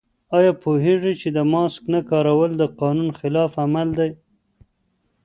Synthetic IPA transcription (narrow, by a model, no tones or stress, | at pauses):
ɑjɑpʰoɦeʐit͡ʃed̪əmɑsknakɑɾawəld̪əqɑnunxɪlɑfamald̪aj